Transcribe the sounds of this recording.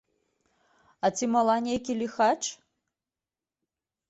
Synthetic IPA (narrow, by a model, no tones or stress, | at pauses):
at͡sʰimɐlˠanʲejkʲilʲixaʈ͡ʂ